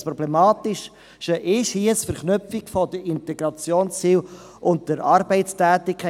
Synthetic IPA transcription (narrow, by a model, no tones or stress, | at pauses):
pɾɔblɛmɑːtɪʃ | ʃəʔɪʃhiəsfəɾχnʏpfikfɔdəɪnt̪ɛɡɾɑt͡sjoːnst͡siːl | ʔʊnt̚d̥əɾɑɾbɛɪtstæːtɪkʰːɛ